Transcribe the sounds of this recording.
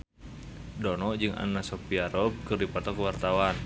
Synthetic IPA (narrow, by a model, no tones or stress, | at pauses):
dɔnɔʔd͡ʒɨŋa̰nːasɔpiaɾɔp̚kɨrdipɔt̪ɔkəwart̪awan